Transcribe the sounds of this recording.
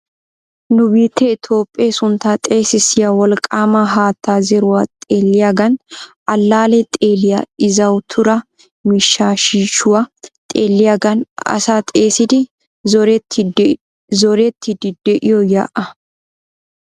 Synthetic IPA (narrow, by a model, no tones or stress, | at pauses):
nʊbiːt̪ːɛɪt̪ʰo̞ːpʼːesʊnt̪ːaːt̪ʼe̞ːsɪsɪjɐwɔlkʼaːmɐɦaːt̪ːaːzɛɾʊwɐt̪ʼeːlːɪjaɡɐnʔɐlːaːlɛt̪ʼeːlɪjɐɪzɐwt̪ʰʊɾɐ | mɪʃːaːʃiːʃʊwɐt̪ʼeːlːɪjaɡɐnɐ̰saːt̪ʼe̞ːsɪd̪ɪ | zɔɾɛt̪ʰːɪ | zɔɾɛt̪ʰːɪd̪ɪd̪ɛʔɪjɔja̰ːʔɐ